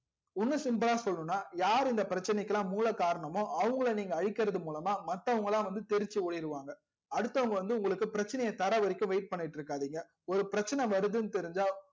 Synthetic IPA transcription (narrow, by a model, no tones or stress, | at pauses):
ʊnːɯsɪmbɯlaːsɔlːɯ̃nːaːjaːɾɪnd̪ɐpɪɾɐt͡ʃːɐnɛkːɐlãːmuːlɐkaːɾɐɳɐmõːʔɐʋɐŋɡɐɭɐniːŋɡɐːɻɪkːɪɾɐðɯmuːlɐmaːmɐt̪ːɐʋɐŋɡɐɭãːʋɐnd̪ɯt̪ɛɾɪt͡ʃːɯoːɽɪjɾɯʋaːŋɡɐ | ɐɽɯt̪ːɐʋɐŋɡɐʋɐnd̪ɯʊŋɡɐɭɯkːɯpɪɾɐt͡ʃːɐnɐjɐt̪ɐɾɐʋɐɾɪkʲːɯ̃ʋɐɪʈ̚pɐɳːɪʈːɾɯkːaːðiːŋɡɐ | ɔɾɯpɪɾɐt͡ʃːɐnɛʋɐɾɯðɯnɯt̪ɛɾɪɲd͡ʒaː